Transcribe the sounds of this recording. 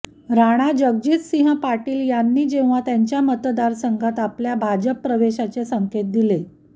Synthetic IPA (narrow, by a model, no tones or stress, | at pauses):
ɾaɽ̃ad͡ʑəɡ̚diːssĩɦəpaʈiːljanːiːd͡ʑeʋ̃ʋ̤at̪jaɲt͡ɕjamət̪d̪aɾsəŋɡʱat̪apljabʱad͡ʑəpːɾəʋeɕat͡sesəŋket̪̚d̪ile